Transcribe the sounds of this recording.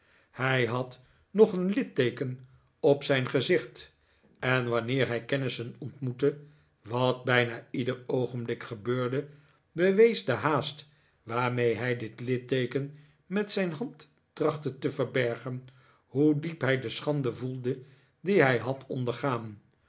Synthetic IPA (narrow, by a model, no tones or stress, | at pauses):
hɛjɦɑt | nɔχənlɪtejkən | ɔpsɛjnχəzɪχt | ɛnʋɑnɪːɹɦɛjkɛnɪsənɔntmutə | ʋɑt̚bɛjnaːidəɹowχənblɪkχəbøːɹdə | bəʋejzdəɦaːst | ʋaːɹmejɦɛjdɪtlɪtejkən | mɛtsɛjnɦɑntː | rɑχtətəvəɹbɛɹχən | ɦudipɦɛjdəsχɑndəvulˠdə | diɦɛjɦɑtʰɔndəɹχaːn